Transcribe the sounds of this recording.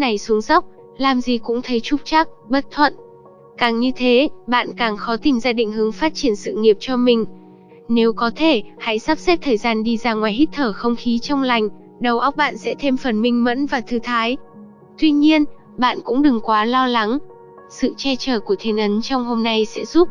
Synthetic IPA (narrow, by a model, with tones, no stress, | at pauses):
na˨˩jsu˨˦əŋza˦˥wk͡p̚ | laː˨˩mzi˨˩kʊ̰˧˥ŋ͡mt̪ʰə˨˦jt͡ɕʊ˦˥k͡p̚t͡ɕa˦˥k̚ɓə˦˥t̚t̪ʰwə̰˧˨n | kaː˨˩ŋɲɨ˧t̪ʰe˨˦ɓa̰ː˧˨nkaː˨˩ŋxɔ˨˦t̪ï˨˩ŋzaː˧ɗḭ̈˧˨ŋ̟hɨ˨˦ə˦ŋfaː˦˥t̚t͡ɕi˧˩ənsɨ̰˧˨ŋi˨˩əp̚t͡ɕɔ˧mï˨˩ŋ̟ | ne˨˦wkɔ˨˦t̪ʰe˧˩ha̰˧˥jsa˦˥p̚sɛ˦˥p̚t̪ʰəː˨˩jzaː˧nɗi˧zaː˧˩ŋwaː˨˩jhi˦˥k̚t̪ʰəː˧˩xə˧wŋ͡mxi˨˦t͡ɕɔ˧wŋ͡mla˨˩jŋ̟ | ɗə˨˩wʔa˦˥wk͡p̚ɓa̰ː˧˨nsɛ̰˧˥t̪ʰe˧mfə˨˩nmï˧ŋ̟mə̰˧˥nvaː˨˩t̪ʰɨ˨˦t̪ʰaː˨˦j | t̪wi˧ɲi˧ən | ɓa̰ː˧˨nkʊ̰˧˥ŋ͡mɗɨ˨˩ŋkwaː˨˦lɔ˧la˨˦ŋ | sɨ̰˧˨t͡ɕɛ˧t͡ɕəː˧˩ku˧˩ət̪ʰi˨˩ənʔə˨˦nt͡ɕɔ˧wŋ͡mho˧mna˧jsɛ̰˧˥zu˦˥p̚